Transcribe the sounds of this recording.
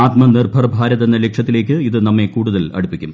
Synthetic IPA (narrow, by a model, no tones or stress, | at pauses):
aːt̪mɐnirbʱɐrbʱaːɾɐðenːɐlekʂɐt̪ːile̞ːk̬ʲːɨiðɨnɐmːe̞kuːɽuðɐlɐ̰ɽupːikʲːum